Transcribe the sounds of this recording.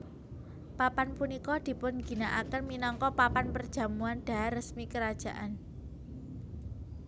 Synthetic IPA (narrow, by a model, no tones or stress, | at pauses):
papanpunikɔd̪̥i̤pʊnɡ̥i̤naʔakənminɔŋkɔpapanpərd̥ʒ̥a̤muand̥a̤arəsmikəɾad̥ʒ̥a̤ʔan